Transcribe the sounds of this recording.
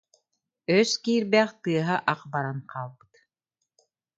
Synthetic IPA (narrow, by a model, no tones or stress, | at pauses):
œskiːɾbæːχt̪ɯɐɦaʔaqbaɾanqʰaːlˠbɯ̥t̪